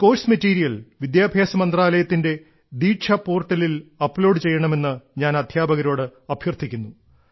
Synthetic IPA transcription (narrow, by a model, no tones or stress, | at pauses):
ko̞ːsmɐtːiːɾijɐlʋid̪jaːbʱjaːsɐmɐnd̪raːlɐjɐt̪ːinde̞ | d̪iːʈʂʰɐpo̞ːrʈːɐlilɐpːlo̞ːɖɨt͡ɕe̞jːɐɳɐme̞nːɨɲaːnɐd̪ʱjaːbɐɣɐɾo̞ːɽɨɐbʱjɐrt̪ʰikʲːunːu